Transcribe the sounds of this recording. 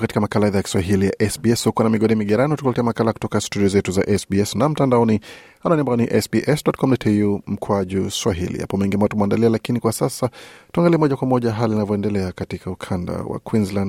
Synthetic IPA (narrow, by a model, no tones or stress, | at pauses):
katikamakalaɛðajaki̥swaɦilijaʔɛsbiɛshukuanamiɠɔɗimiɠaɾaniatukulɛtɛamakalaku̥tɔkastudiɔzɛtuzaʔɛsbiɛsnam̩tandaɔni | ananimbaaniʔɛsbiʔɛsdɔt̚kɔmnatʰijum̩kʰwaʄuswaɦilḭha̰pɔmɛŋɡimaatumandalialakinikwasasatuaŋɡaliɛmɔʄakwamɔʄaɦaliinavɔɛndɛlɛakatikʰaukʰanda̰wa̰kwinzland